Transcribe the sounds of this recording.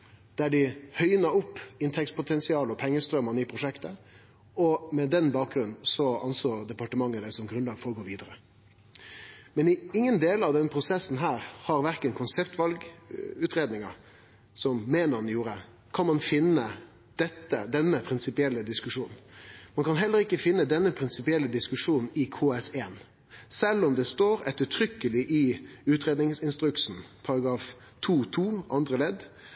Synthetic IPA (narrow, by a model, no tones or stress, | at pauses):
d̪̥æɖɪhœʏnɑʊpːɪnt̪ʰɛkspʰʊt̪ʰɛnsɪɑːləɔpʰɛŋːəst̪ɾœmɑniːpʰɾʊʂɛkt̪ə | ɔmɛd̪ɛnbɑːk̚ɡɾʉnn̩sɔɑnsoːd̪ɛpɑʈəmɑŋːəd̪ɛsɔmɡɾʉnlɑːɡfɔɾɔɡoːʋiːd̪əɾə | mɛnɪɪŋːənd̪eːlɑʋd̪ɛnəpʰɾʊsɛsn̩ɦæːɾhɑɾʋæɾkənkʰʊnsɛpt̪ʰʋɑlɡʉːt̪ɾeːd̪nɪŋɑ | sɔmːeːnəɾnjuːɾə | kʰɑnmɑnfɪnːə | d̪̥ɛt̪ːə̰d̪ɛnːəpʰɾɪnsɪpɪɛlːəd̪ɪskʉʂuːnn̩mɑnkʰɑnɦɛlːəɾɪkːəfɪnːəd̪ɛnːəpʰɾɪnsɪpɪɛlːəd̪ɪskʉʂuːnn̩ɪkʰoːɛseːn | sɛlːɔmd̪ɛst̪oːɾɛt̪ːəʈʰɾʏkːəlɪʔɪʉːt̪ɾeːd̪nɪŋsɪnst̪ɾʉksn̩pʰɑɾɑɡɾɑːf | t̪ʰuːt̪ʰuːʔɑnd̪ɾəlɛd̪